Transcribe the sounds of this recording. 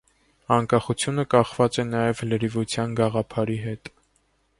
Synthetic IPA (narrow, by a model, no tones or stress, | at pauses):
ɑŋkɑχut͡sʰjunəkɑχvɑt͡sɛnɑjɛvləɾivut͡sʰjɑnɡɑʁɑpʰɑɾiɦɛt̪